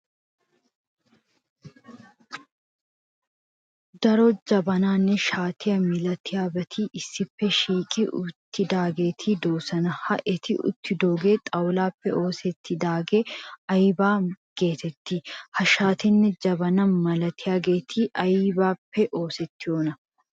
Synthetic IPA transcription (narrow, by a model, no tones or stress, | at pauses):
d̪ɐɾoːd͡ʒɐbɐnaːnːɛʃaːt̪ɪjɐmɪlɐt̪ʰɪjaːbɐt̪ʰiːʔɪsːɪpːɛʃiːkʼɪʔʊt̪ːɪd̪aːɡeːt̪ʰiːd̪oːsɐnɐhɐʔɛt̪ɪʊ̰t̪ːɪd̪oːɡeːt̪ʼɐwlaːpːɛʔo̞ːsɛt̪ʰːɪd̪aːɡeːɐjbaːɡ̥e̞ːt̪ɛt̪ːɪhɐʃaːt̪ɪnːɛd͡ʒɐbɐnɐnmɐlɐt̪ʰɪjaɡeːt̪ʰiːʔɐjibaːpːɛʔoːsɛt̪ːɪoːnɐ